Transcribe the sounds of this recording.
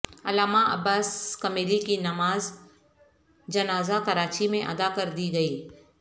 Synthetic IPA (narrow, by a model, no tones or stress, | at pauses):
ɐlaːmaʔɐ̰baːskɐmeːɾikinɐmaːz | d͡ʒɐnaːzakɐɾaːt͡ʃimẽʔɐ̰d̪akɐɾd̪iɡɐiː